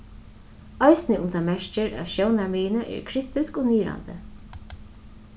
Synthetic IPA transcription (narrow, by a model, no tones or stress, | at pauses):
aɪsnɪʊmt̪amɛʂt͡ʃɪɹa̰ʃjownaɹmiːnəʔɛ̰ːɹkʰɾiht̪ɪskɔniːɾa̰nt̪ə̰